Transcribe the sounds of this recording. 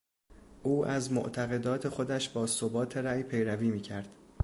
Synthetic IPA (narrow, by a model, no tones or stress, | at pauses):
ʔuːʔæzmoʔt̪ʰæɣe̞d̪ɒːt̪ʰe̞xo̞d̪æʃbɒːsobɒːt̪ʰe̞ɾæːjpʰe̞jɾæviːmiːcʰæɾd̪̥